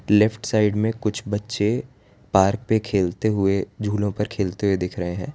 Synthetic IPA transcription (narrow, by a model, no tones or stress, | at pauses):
lɛpʰʈsaːɪɖmẽkʊt͡ʃʰbɐtːʃe | paːɾk̚pekʰeːlt̪eɦʊed͡ʒʱuːlõpɐɾkʰeːlt̪eɦʊed̪ɪkʰɾɐɦeɦɛ̃ː